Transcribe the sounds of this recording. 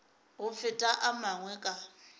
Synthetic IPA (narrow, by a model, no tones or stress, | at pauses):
ɣʊfɪtʼaʔamaŋwɛkʼa